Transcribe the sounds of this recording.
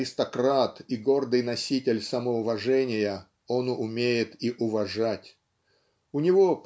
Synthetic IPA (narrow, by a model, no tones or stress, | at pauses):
ɪst̪ɐkɾat̪iɡo̞rd̪ɨjnɐsʲitʲɪlʲsɐməʊvɐʐɛnʲɪjə | onʊʔʊmʲejɪt̪iʔʊvɐʐatʲ | ʊnʲɪvop